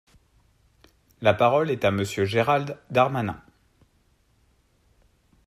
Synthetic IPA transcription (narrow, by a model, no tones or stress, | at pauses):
lapaʁɔlɛt̪aməsjøʒeʁald̪d̪aʁmanɛ̰̃